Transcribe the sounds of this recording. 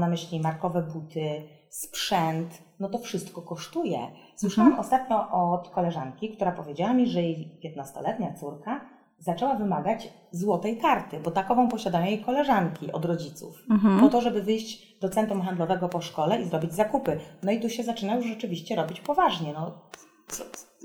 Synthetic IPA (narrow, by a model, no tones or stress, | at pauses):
namɘɕlʲimaɾkɔvɛbut̪ɘ | spʂɛnt̪ | nɔt̪ɔfʂɘst̪kɔkɔʂt̪ujɛ̰ | swwɘʂawamɔst̪at̪ɲɔʔɔt̪kɔlɛʐaŋkʲikt̪uɾapɔvʲjed͡ʑawamʲiʐɛjejpʲjɛt̪nast̪ɔ̰lɛt̪ɲat̪suɾka | zat͡ʂɛwavɘmaɡat͡ɕ | zwɔt̪ɛjkaɾt̪ɘbɔt̪akɔvɔ̃w̃pɔɕad̪ajɔ̃jejkɔlɛʐaŋkʲiʔɔ̰d̪ɾɔd͡ʑit̪sṵfpɔt̪ɔʐɛbɘvɘjʑd͡ʑ | d̪ɔt̪sɛnt̪ɾumxand̪lɔvɛɡɔpɔʂkɔlɛʔizɾɔbʲid͡ʑzakupɘnɔit̪uɕɛzat͡ʂɘnajuʂʐɛt͡ʂɘvʲiɕt͡ɕɛɾɔbʲit͡ɕpɔvaʐɲɛnɔ | sɔ̥